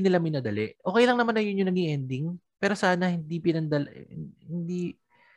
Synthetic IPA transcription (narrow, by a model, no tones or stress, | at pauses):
nɪlamɪjnɐd̪ɐlɛʔʔo̞ːkɛjlɐŋnɐmanːɐjʊnjʊŋnɐɡiʔɛnd̪ɪŋpɛːɾo̞saːnɐhɪnd̪ipɪnɐnd̪ɐlhɪnd̪i